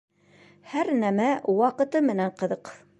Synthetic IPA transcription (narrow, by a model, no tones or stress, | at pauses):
hæɾnæmæwɑqɤ̆t̪ɤmɘ̆næɴqɤ̆ðɤq